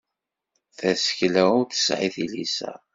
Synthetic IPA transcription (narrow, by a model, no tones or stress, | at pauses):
θæsə̥çlæʊɾθə̥sʕiθilisæ̰